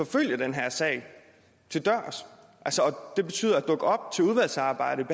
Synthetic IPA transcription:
ɒ̽føl̰jɐd̥enɦæɐ̰sɛ̰ɪ̰ | t͡sʰe̝ld̥ɶɐ̰s | ʔælsɒɒ̽d̥e̝b̥e̝̥t͡sʰyːðˠæd̥ɔ̽ɡ̥əɒ̽b̥̚t͡sʰe̝uð̞ˠʋæl̰sɑ̈ːb̥ɑ̈ɪ̰ɾəib̥e

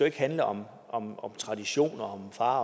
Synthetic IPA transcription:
ue̝ɡ̥hænləʔɒ̽m | ɒ̽mɒ̽mt͡sʰʁɑ̈d̥iɕo̝̰ːnɒɒ̽mfɑ̈ː

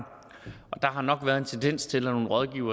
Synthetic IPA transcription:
ɒ̽d̥ɑ̈ɦɑ̈nɒ̽ɡ̥ʋæːɐð̞ˠe̝nt͡sʰend̥en̰st͡sʰe̝læno̝ːn̩ʁɒð̞ˠɡ̥ḭʊ̰ɐ

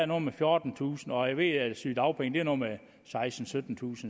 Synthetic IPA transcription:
æɐno̝ːmefjo̝ːd̥n̩t͡sʰṵːsn̩ɒ̽jaɪʋe̝̰ːæsy̰ːd̥ɑ̈ʊpʰeŋd̥e̝æɐnoːme | sɑ̈ɪsd̥n̩sød̥n̩t͡sʰṵːsn̩

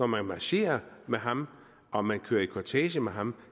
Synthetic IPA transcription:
ɒmænmɑɕe̝̰ːɐmeɦɑ̈m | ɒ̽mænkʰøːɐikʰɒt͡sʰɛ̰ːɕəmeɦɑ̈m

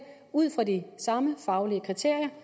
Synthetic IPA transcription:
uð̰ˠfʁɑ̈disɑ̈məfɑ̈ʊliəkʰʁit͡sʰe̝ɐ̰jɐ

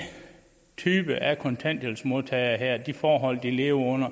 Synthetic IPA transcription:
t͡sʰyːb̥əʔækʰɒ̽nt͡sʰæn̰d̥elsmo̝ðˠt͡sʰɛɪɐɦeɐ̰d̥ifɒːɦɒ̽l̰d̥ile̝ːʊɐɔ̽n̰ɐ

